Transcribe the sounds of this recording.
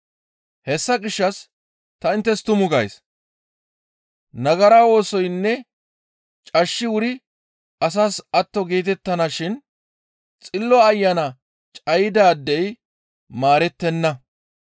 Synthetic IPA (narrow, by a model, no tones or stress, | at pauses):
hɛsːɐɡɪʃːɐs | t̪ɐɪnt̪ːɛst̪ʊmʊɡɐjs | nɐɡɐɾawo̞ːsɔjnːɛ | t͡ʃʼɐʃːɪwʊɾɪ | ɐs̬aːsɐt̪ːɔɡe̞ːt̪ɛt̪ːɐnaʃɪn | t͡sʼɪlːɔɐjːɐnɐ | t͡ʃʼɐjɪd̪aːd̪ːɛj | maːɾɛt̪ːɛnːɐ